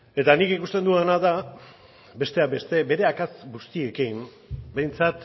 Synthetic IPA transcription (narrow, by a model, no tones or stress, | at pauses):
e̞t̪anikikust̪e̞nd̪uanaða | be̞st̪e̞abe̞st̪e̞be̞ɾe̞akat͡sɡust̪ie̞kim | be̞jnt͡sat̪